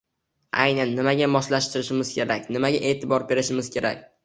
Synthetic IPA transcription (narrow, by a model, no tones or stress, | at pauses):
a̰jnanːɪmaɡʲamɒslaʃt̪ɪɾɪʃɪmɪzkʲe̞ɾakʲnɪmaɡʲaʔe̞ːt̪ʰɪbɒɾbe̞ɾɪʃɪmɪzkʲʰe̞ɾa̰k̚ʲ